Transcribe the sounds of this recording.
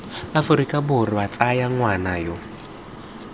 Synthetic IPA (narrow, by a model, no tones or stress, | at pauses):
afʊɾikʼabʊriβat͡sʼajaŋwanajɔ